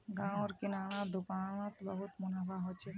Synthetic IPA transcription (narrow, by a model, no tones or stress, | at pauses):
ɡãoɾkinaɽ̃ad̪ukanot̪bɔɦut̪monabʱaɦot͡ʃʰe